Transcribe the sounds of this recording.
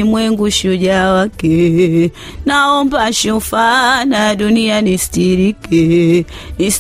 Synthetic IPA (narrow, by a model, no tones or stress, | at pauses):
imwɛŋɡuʃud͡ʒawake | naɔmbaʃufanadunianistiɾikenis